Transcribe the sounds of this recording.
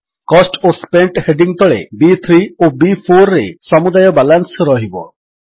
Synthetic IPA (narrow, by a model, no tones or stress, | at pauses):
kɔsʈospeɳʈheɖiŋt̪ɔɭḛbit̪ʰɾiobipʰoɾːesɔmud̪ajɔbalansɔɾɔɦibɔ̰